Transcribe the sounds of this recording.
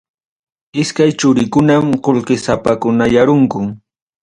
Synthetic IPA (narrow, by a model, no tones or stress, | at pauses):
ɪskajt͡ʃʊɾɪkʊnamqolqɪsapakʊnajaɾʊŋkʊŋ